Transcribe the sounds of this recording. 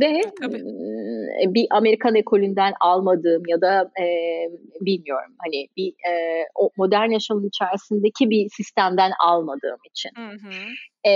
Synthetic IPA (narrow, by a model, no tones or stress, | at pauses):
d̪ɛ | biʔame̞ɾikʰanekʰo̞lʲynd̪ænalˠmad̪ɯːmjad̪aɛ | bilʲmijo̞̰ɾumhanɪbiɛːomo̞d̪æɾnjaʃamɯnit͡ʃʰæɾsind̪e̞cʰibisist̪ʰæmd̪æna̰lˠmad̪ɯ̰ːmit͡ʃʰḭn